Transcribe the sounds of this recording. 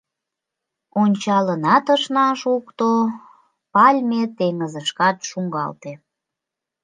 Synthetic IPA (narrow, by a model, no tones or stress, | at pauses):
onʲt͡ɕɑlənɑt̪əʃnɑʃukt̪o | pɑlʲmet̪eŋəzəʃkɑt̪ʃuŋɡɑ̰lt̪e